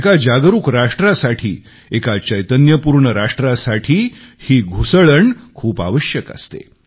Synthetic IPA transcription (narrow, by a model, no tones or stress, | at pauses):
ekad͡ʑaɡɾuːkɾaʂʈɾasaʈʰiː | ekat͡ɕəjt̪ənjəpuɾɳəɾaʂʈɾasaʈʰiːhiːɡʱusəɭəɳkʰuːpa̰ʋəɕjəkə̰st̪ḛ